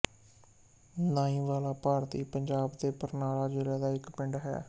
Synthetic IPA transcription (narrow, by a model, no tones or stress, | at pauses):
nãːĩːʋaːlaːpaːɾt̪iːpəɲd͡ʒaːbd̪eːpəɾnaːlaːd͡ʒɪːlaːd̪aːɪkpɪɳɖɦɛ̰ː